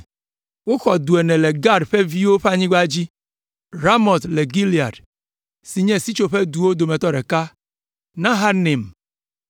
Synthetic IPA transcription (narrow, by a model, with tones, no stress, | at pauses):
wo˦xɔ˨d̪u˨e˨nɛ̃˨le˨ɡa˦ɖɸe˦vi˦wo˦ɸa˦˨ɲĩ˦ɡ͡ba˦d͡ʑi˦ | ɾa˦mɔ˨t̪le˨ɡi˦li˨a̰˨ɖ | si˨ɲɛ̃˦si˦t͡ʃo˨ɸe˦d̪u˨wo˦d̪o˨mɛ̃˨t̪ɔ˦ɖɛ˨ka˦ | nã˦ɦa˦nẽ˨m